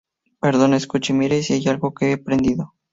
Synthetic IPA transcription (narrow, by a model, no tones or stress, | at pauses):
peɾðo̞neskut͡ʃimiɾesiajalɣo̞keepɾend̪iðo̞